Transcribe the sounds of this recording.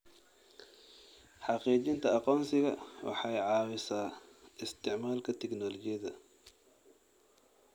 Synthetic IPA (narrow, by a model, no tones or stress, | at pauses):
ħɑqiːt͡ʃɪnt̪ʰɐɑqɔːnsɪɣɐwɑ̰ħɑjʕɑːwɪsaːɪst̪ʰɪʕmaːlkʰɐt̪ʰɛknɔːlɔt͡ʃɪjɐðɐ